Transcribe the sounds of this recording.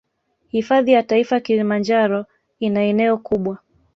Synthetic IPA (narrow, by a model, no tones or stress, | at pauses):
hifaðijataifakilimand͡ʒaɾɔ | inaɛnɛɔkuɓwa